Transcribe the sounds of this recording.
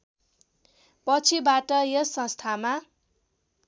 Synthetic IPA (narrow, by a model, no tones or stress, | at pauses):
pʌt͡sʰibaʈʌjʌsʌ̃st̪ʰama